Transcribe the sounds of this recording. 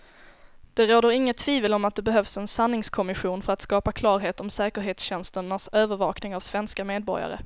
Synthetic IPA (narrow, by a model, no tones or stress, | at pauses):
d̪̥ɛɾoːd̪əɾɪŋːət̪ʰːviːvəlɔmat̪̚d̪ɛbɛɦœvsɛnsanːɪŋskʰɔmɪɧuːnfœɾat̪skɑːpakʰlɑːɾɦeːt̪ɔmsɛːkəɾɦeːt̪sɕɛnst̪ənasøːvəɾvɑːknɪŋavsvɛnskameːd̪̚bɔ̰ɾja̰ɾə̰